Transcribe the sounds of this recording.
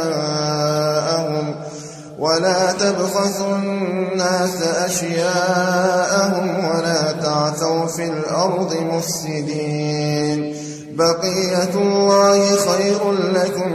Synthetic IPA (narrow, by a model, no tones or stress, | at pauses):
a | ʔahʊm | wʔalaːt̪abxɑsʊnnːaːsaʔaʃjaːʔahʊmwalaːt̪aʕθawfiːlʔɑɾˤd̪ˤɨmʊfsɪd̪iːn | bɑqijːalːɑːhɪxajɾʊnlakʊm